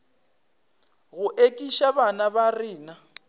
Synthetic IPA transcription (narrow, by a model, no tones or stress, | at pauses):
ɣʊʔekʼiʃaβanaβariːna